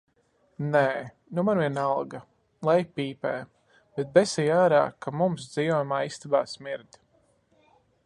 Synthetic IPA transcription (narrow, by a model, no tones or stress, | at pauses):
nɛː | numaɾviɛnalˠɡa | lˠajpiːpɛː | b̥ɛt̪̚bɛsɛjaːɾa̰ːkamums̬d̪z̥ijɔjmaːist̪abaːsmiɾd̪ʲ